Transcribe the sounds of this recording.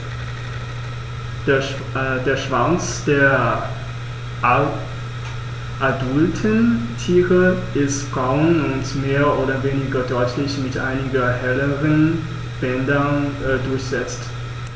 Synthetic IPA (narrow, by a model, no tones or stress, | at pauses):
deːɐʃv̥ant͡sd̥eːɐ | ʔadʊltʰəntʰiːʁəʔɪstb̥ʁaʊnʊntmeːɐʔoːɾɐveːnɪɡɐdɔʏtʰlɪçmɪtʔa̰ɪnɪɡɐhɛləʁən | b̥ɛndɐdʊɐçz̥ɛt͡st